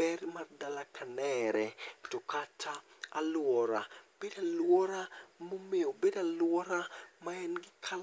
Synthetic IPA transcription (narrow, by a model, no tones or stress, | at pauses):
ɛrmardalakʰanɛɾɛtɔkatʰaa̰lwɔɾab̥edalwɔɾamomeobedalwɔɾamaɛnɡɪkʰal